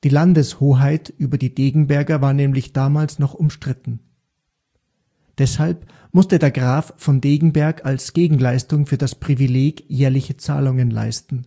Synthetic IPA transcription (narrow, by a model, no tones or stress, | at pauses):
d̥iːlandəshoːɦaɪtʔyːbɐdiːdeːɡŋ̩bɛɐɡɐvaːɐnɛːmlɪçd̥aːmaːlsnɔχʊmʃtʁ̥ɪtn̩ | d̥ɛshalp | mʊstədeːɐɡʁaːffɔndeːɡŋ̩bɛɐkʰalsɡ̥eːɡŋ̩laɪstʊŋfyːɐdaspʁ̥ivileːɡjɛːɐlɪçət͡sa̰ːlʊŋənla̰ɪstn̩